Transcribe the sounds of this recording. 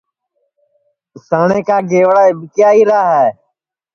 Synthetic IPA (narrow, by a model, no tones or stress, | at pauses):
saːɳẽːkaːɡeːʋɽaːebɪkjaːiːɾaːɦɛː